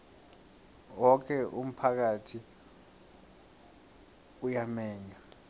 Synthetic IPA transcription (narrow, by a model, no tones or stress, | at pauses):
wɔkʰɛʔum̩pʰak̬atʰi | ujamɛːɲa